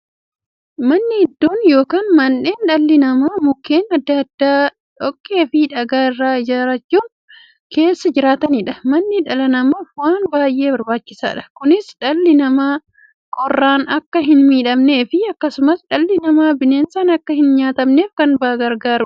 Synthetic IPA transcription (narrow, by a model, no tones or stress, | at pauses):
mɐnːɪɛd̪ːoːnjo̞ːkaːnmɐnːe̞ːnᶑɐlːɪnɐmaːmʊkːeːnɐd̪ːɐɐd̪ːaː | ᶑɔkːe̞ːfɪᶑɐɡaːɪrːaːɪd͡ʒaːɾɐt͡ʃːuːn | ke̞ːsːɐd͡ʒɪɾaːt̪ɐnɪᶑɐmɐnːɪᶑɐlɐnɐmɐfwaːnbaːjʔe̞ːbɐɾbaːt͡ʃːɪsa̰ːᶑɐ̥kʊnɪsᶑɐlːɪnɐmaː | kʼɔrːaːnɐkːɐɦɪnmiːᶑɐmne̞ːfɪɐkːɐsʊmɐsᶑɐlːɪnɐmaːbɪneːnsaːnɐkːɐhɪnɲaːt̪ɐmne̞ːfkɐnbaːɡɐɾɡaːɾʊ